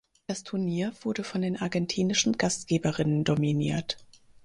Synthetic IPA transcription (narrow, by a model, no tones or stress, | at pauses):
d̥astʰʊɐniːɐv̥ʊɐdəfɔndeːnʔaɐɡɛntʰiːnɪʃn̩ɡastɡ̥eːbəʁɪnəndominḭːɐt